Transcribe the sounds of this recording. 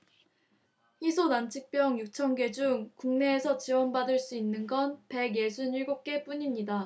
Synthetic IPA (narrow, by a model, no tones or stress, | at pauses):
isʰonant͡ɕʰik̚p͈jʌŋjuk̚t͡ɕʰʌnɡe̞d͡ʑuŋkuŋne̞ːsʰʌt͡ɕiwʌnbadɯɭs͈uinːɯnɡʌnpe̞ɡje̞sʰuniɭɡop̚k͈e̞p͈uɲimɲida